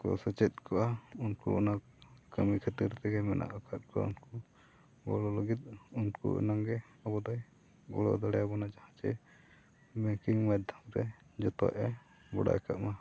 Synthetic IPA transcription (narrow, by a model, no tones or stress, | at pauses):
kɔ̰sət͡ʃɛt̪̚kʰɔʔaunkṵɔna | kəmikʰət̪iɾt̪ɛɡɛmɛnʔa̰ʔakʰat̪̚kʰɔa̰unku | ɡɔlɔləɡit̪̚unkṵʔɔ̰naŋɡɛ | ɔbɔd̪aj | ɡɔ̰lɔ̰d̪aɽɛjabɔnad͡ʒahãt͡ʃɛ̰ | bɛkiŋmad̪ʱamɾɛd͡ʒɔt̪ɔ̰ʔɛ | bɔɽa̰jkaʔma